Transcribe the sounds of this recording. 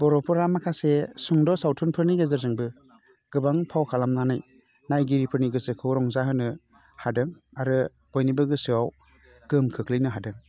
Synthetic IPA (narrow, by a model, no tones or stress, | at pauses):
bɔɾɔpʰɯɾamakʰasesuŋdɔsawtʰunpʰɯɾniɡezɯɾzɯŋbɯ | ɡ̥ɯbaŋpʰawkʰalamnanɯj | najɡiɾipʰɯɾniɡɯsɯkʰɯwɾɔŋzaɦɯnɯ | hadɯŋaɾɯ | bɔjnibɯɡɯsɯwaw | ɡ̥ɯmkʰɯkʰlɯjnɯɦadɯŋ